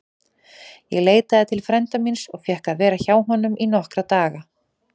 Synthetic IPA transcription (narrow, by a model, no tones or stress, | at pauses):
jɛɣleːjt̪aðɪt̪ʰɪlfɾɛnt̪aminsɔɣfjɛhkaðvɛːɾaçaːwɦɔnːʏmʔinɔhkɾat̪aːɣa